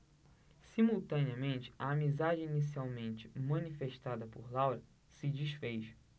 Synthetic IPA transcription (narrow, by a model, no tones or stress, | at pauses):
simuwt̪ɐ̃niɐmẽnt͡ʃɪ̥ɐːmizad͡ʒɪinis̬iawmẽnt͡ʃɪ̥mɐ̃nifeʃt̪ad̪ɐpoɾlawɾɐ | sɪd͡ʒiʃfejʃɐ̥